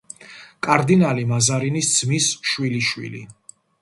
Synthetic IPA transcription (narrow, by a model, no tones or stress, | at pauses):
kʼaɾd̪inalimazaɾinisd̪z̥misʃwiliʃwḭlḭ